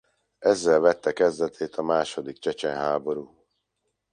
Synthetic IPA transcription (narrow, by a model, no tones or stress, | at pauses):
ɛzːɛlvɛt̪ːɛkɛzd̪ɛt̪ʰeːt̪ʰɒmaːʃo̞d̪ikt͡ʃɛt͡ʃɛnɦaːbo̞ɾuː